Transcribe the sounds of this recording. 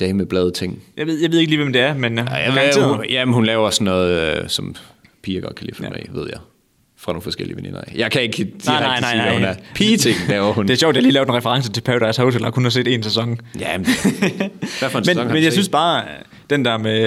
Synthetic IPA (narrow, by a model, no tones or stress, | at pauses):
d̥ɛɪmeb̥lɛð̞ˠt͡sʰeŋ̰jɑɪe̝ð̞ˠjɑ̈ʋe̝ð̞ˠeɡəliːʋemd̥e̝æɐmenjaɑt͡sḛjæmenhunlɛːʊɐsɔnːɔ̽ːð̩ˠsɒm | pʰiːɐɡ̥ɒ̽d̥̚kʰælḭːfɔḛʋe̝ð̰ˠjɑɪ | fʁɑ̈don̩fɒ̽sɡ̥ḛl̰iəʋenḭnɐ̰jɑ̈ɪkʰæe̝ɡ̥ʰinɑɪnɑ̈ɪnɑæhunæɐpʰiːt͡sʰeŋlɛːʊɐhun̥e̝æɐɕɔʊd̥ehaliːlɛːʊd̥enʁɛfəʁɑ̈ŋs̬ət͡sʰe̝pʰæʊd̥æɐshoʊt͡sʰelɐkʰhunhɑse̝̰ːd̥e̝̰ːnsæsɒ̽ŋ̰jæ | ʋæfɒnsmenmenjäɪynsb̥ɑ̈ː | d̥end̥æɐ̰me